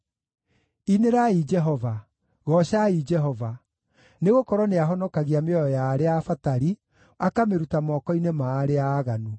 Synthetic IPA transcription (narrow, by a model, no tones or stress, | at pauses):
ineɾaid͡ʒɛɦɔva | ɣɔʃaid͡ʒɛɦɔva | neɣokɔɾɔneaɦɔnɔkaɣiameɔjɔjaːɾeafataɾi | akameɾutamɔkɔinemaːɾeaːɣanu